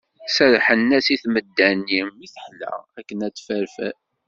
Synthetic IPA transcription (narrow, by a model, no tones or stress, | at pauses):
sæɾħənːæsiθməd̪ːænːimiθə̥ħlæ̰ækːənæt͡sːfæɾfæ̰